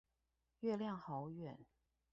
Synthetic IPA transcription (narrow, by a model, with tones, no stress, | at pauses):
ɥɛ˥˧ljɑ˥˩ŋxɑ˧˥ʊɥɛ˨˩˦n